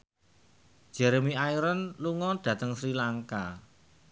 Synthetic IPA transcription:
ʒ̥ɛɾemiaiɾənluŋɔɖ̥ä̤t̪əŋsɾilaŋka

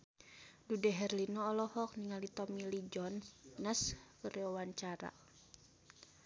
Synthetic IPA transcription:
dudɛɦɛrlinɔːlɔhɔk̚niŋalit̪ɔmilid͡ʒɔnːaskəɾɛawaɲt͡ʃaɾa̰

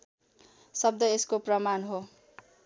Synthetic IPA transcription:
sʌb̚d̪ʌeskoprʌmanɦo

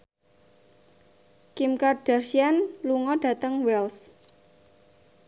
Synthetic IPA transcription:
kimkarɖ̥arsianluŋɔɖ̥ä̤t̪əŋwɛls

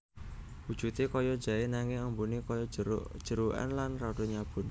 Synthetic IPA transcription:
wud̥ʒ̥ṳt̪ekɔjɔd̥d͡ʒ̥a̤enaŋɪŋambunikɔjɔ̥ʒ̥ə̤ɾuʔɛ̰nlanrɔɖ̥oɲab̥ʊ̤n

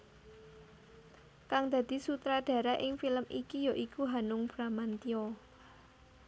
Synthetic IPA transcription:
kaŋd̪̥ä̤d̪̥i̤sut̪ɾaɖ̥ä̤ɾaʔɪŋfiləmikijaʔikuɦanʊŋb̥ɾamant̪iɔ

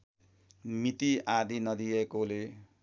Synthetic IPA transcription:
mit̪iad̪ʱinʌd̪iekole

